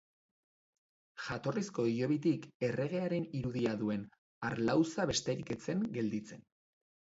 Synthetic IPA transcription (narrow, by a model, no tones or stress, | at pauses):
ʝat̪o̞risko̞ijo̞βit̪ike̞re̞ɣ̞e̞aɾe̞niɾuðiaðue̞n | aɾlawsaβe̞st̪e̞ɾike̞t͡se̞ŋɡe̞ld̪it͡se̞n